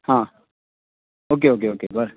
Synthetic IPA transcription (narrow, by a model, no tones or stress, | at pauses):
hãː | oːk̬eoːk̬eoːkḛbəɾ